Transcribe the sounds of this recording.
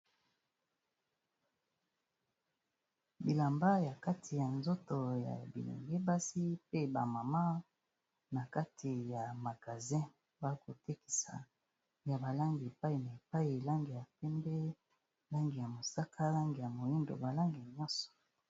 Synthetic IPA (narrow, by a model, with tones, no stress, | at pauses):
bi˨la˨mba˦ja˨ka˦tʰi˨ja˨nzo˦to˨ja̰˨bḭ˨lḛ˨ŋɡe˦ba˦si˦pe˦ba̰˨ma˨ma˦ | na˨ka˦tʰi˨ja˨ma˨ɡa˨zɛ̃˦ | ba˦ko˨te˦ki̥˨sa̰˨ | ja˨ba˨la˦ŋɡi˨e˨pa˦i˨na˨e˨pa˦i˨la˦ŋɡi˨ja˨pɛ˦mbɛ˦ | la˦ŋɡi˨ja˨mo˨sa˦kʰa˦la˦ŋɡi˨ja˨mo˨ji˦ndo̰˨ba˨la˦ŋɡi˨ɲɔ˦sɔ̥˨